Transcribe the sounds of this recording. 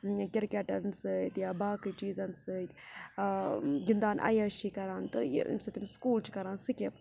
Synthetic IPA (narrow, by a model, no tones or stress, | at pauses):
kʲiɾkʲɐʈɐnsɨt̪jabaːkɨt͡ʃiːzɐnsɨt̪ʲ | ɡind̪aːnʔɐ̰jɐʃikɐɾaːnt̪ɨj̰ḭmsɐt̪imskuːlt͡ʃʰi̥kɐɾaːnsɨkʲep